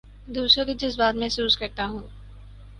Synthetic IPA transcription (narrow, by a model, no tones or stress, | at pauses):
d̪uːsod̪id͡ʒɪsbaːt̪mẽːsuːskɐɾt̪aɦũː